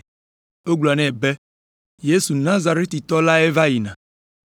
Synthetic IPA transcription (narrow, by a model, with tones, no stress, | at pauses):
o˦ɡ͡blɔ˨a˨nɛ̃˦˨be˦ | je˦su˨nã˦za˨ɾe˦t̪i˨t̪ɔ˦la˦e˦va˦ji˨nã˨